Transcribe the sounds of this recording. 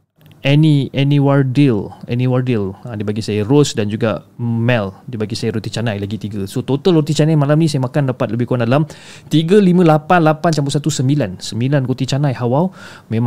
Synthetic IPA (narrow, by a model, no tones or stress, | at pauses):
ɛniɛnĩwardilɛ̰nĩwardiladibaɡisajəɾosdand͡ʒuɡa̰mɛldibaɡisajaɾot̪it͡ʃanajlaɡit̪iɡəsot̪ot̪alot̪it͡ʃanajmalamnĩsajamakandapat̪̚ləbɪhkowandalam | t̪iɡəlimə̃lapanlapant͡ʃampusat̪usəmbilansəmbilankot̪it͡ʃanajhawaw | mẽm